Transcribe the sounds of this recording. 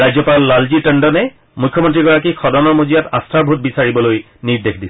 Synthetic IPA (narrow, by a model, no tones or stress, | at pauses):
ajzɔpalːalziʈəɳɖɔnɛ | mujkʰːjɔmɔntɹiɡɔɹak̬ikʰɔdɔnɔɹmuzijatastʰaɹbʱut̚bisaɹibɔloj | niɹdekʰdisɛ